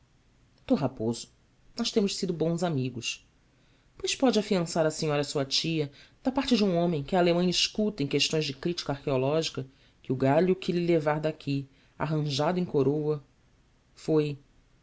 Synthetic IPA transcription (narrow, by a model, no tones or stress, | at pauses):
t̪oɦapozʊ̥ | nɔʃt̪ẽmʊʃsid̪ʊbõw̃zamiɡʊs | pojʃpɔd͡ʒɪafiɐ̃saɾɐsiɲɔɾɐsuɐt͡ʃiɐd̪̥apaχt͡ʃɪd͡ʒɪũõmẽj̃kɪalemɐ̃jɐiʃkut̪ɐẽkeʃt̪õj̃zd͡ʒɪkɾit͡ʃi̥kɐahkeolɔʒikɐ | kɪʊɡaʎʊkʰɪlɪlevaɾd̪akʰi | a̰ɦɐ̃ʒad̪ʊẽj̃koɾowɐ | foj